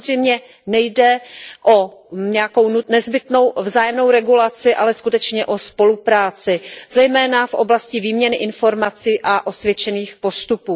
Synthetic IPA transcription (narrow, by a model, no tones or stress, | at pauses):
zrɛjmɲɛ | nɛjdɛʔo̞ɲɛjako̞wnunɛzbɪt̪no̞wvzaːjɛmno̞wɾɛɡulat͡sɪʔalɛskut̪ɛt͡ʃɲɛʔo̞spo̞lupɾaːt͡sɪzɛjmɛːnafʔo̞blascɪviːmɲɛnɪʔɪnfo̞ɾmat͡siːʔaʔo̞svjɛt͡ʃɛniːxpo̞st̪upuː